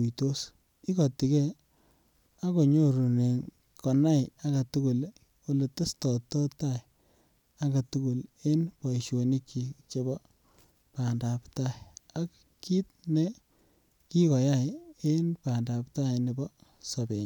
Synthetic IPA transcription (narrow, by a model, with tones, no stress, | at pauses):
u˨to˦s | i˦kɔ˨ti˨kɛ˦ | a˦ko˨ɲo˦ɾu˨ne˨ | kɔ˨na˦ɪa˨ɡa˨tu˦ku˨l | o˨le˨te˦stɔ˨tɔ˦ta˦i | a˦ɡa˨tu˦ku˨le˦npɔ˨i˨ʃo˨ni˦kːi˨t͡ʃe˦bɔ˦ | pa˨nda˨pta˦i˨a˦k | ki˦t̚ne˦ | ki˦kɔ˨ja˦˨ɪe˦npa˨nda˨pta˦jne˨bɔ˦ | sɔ˨be˨ɲ